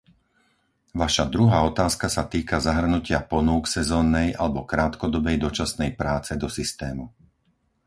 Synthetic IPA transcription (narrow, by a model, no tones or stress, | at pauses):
ʋaʃad̪ɾuɦaːɔt̪aːskasat̪iːkazaɦr̩nucɪapɔnuːksɛzɔːnːɛjʔa̰lɛbɔkɾaːt̪kɔd̪ɔbɛjd̪ɔt͡ʃasnɛjpɾaːt͡sɛd̪ɔsist̪ɛːmu